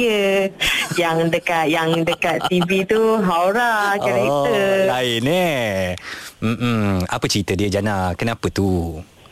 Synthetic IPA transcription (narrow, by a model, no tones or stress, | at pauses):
ə | jaŋdəkat̪̚jaŋdəkat̪t̪ivit̪uɦawɾakəɾaiəlaɪne | m̩mapət͡ʃəɾit̪ədiəd͡ʒanakənãpət̪u